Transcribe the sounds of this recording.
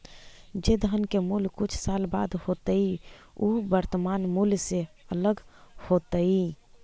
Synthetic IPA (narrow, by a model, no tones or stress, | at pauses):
d͡ʒed̪ʱənkemulkut͡ʃʰsalba̰d̪hot̪əi | ubəɾt̪əmanmulseələɡhot̪əi